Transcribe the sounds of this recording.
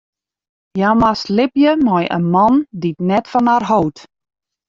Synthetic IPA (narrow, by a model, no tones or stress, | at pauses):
jamaslɪpjənɔjʔə̰nmɔnditnɛtfɔnarɦowt